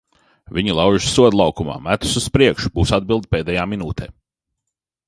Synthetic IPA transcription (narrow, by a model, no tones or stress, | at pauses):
vʲiɲilˠɑwʒussuɔd̪lˠɑwkuma̰ːmæt̪u̥suspɾiɛkʃu̥b̥uːsad̪̚bilˠd̪̚peɛːd̪ɛjaːminuːt̪ɛː